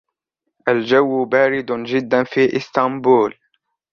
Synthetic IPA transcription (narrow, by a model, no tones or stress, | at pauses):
ʔald͡ʒawːbaːɾɪd̪d͡ʒɪd̪ːanfiːʔɪst̪ɑmbuːl